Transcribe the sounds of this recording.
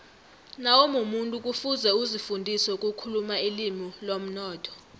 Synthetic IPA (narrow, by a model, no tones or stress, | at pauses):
nawɔmumuntʼuk̬ʼufuzɛuzifundʱisɛukʼukʰulumailimilom̩nɔːtʰɔ̥